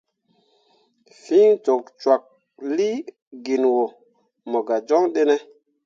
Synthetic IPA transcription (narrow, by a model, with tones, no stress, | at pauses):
fi˦ŋt͡ʃo˨k̚t͡ʃwa˨k̚ | li˦ | ɡi˨nwo˨ | mo˨ɡa˨d͡ʒɔ˦ŋɗe˦ne˦